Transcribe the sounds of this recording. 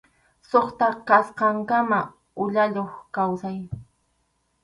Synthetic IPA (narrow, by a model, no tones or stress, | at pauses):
soχt̪akasqɑŋkama | ʊʎaʎoχkawsaj